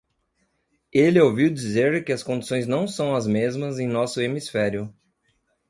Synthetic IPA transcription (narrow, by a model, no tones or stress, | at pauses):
elɪowviwd͡ʒizeɾkɪɐskõd͡ʒisõj̃znɐ̃w̃sɐ̃w̃ɐzmezmɐzẽj̃nɔsʊemisfɛɾjʊ